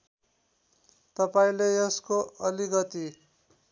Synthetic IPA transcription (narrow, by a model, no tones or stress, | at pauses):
t̪ʌpaĩleʌskoʌliɡʌt̪i